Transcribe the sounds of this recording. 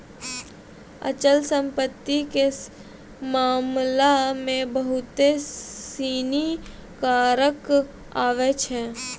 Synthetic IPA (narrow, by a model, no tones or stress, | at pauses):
ə̰t͡ʃəlsə̃mpət̪ːike | maːmlamẽbəɦʊt̪esiːni | kaːɾək | aːʋet͡ʃɦɛ̃ː